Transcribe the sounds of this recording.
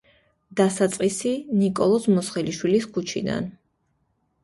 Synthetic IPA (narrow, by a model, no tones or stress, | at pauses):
d̪̥asat̪sʼqʼisinikʼɔlˠɔsmɔsχɛliʃwiliskʰut͡ʃʰḭd̪a̰n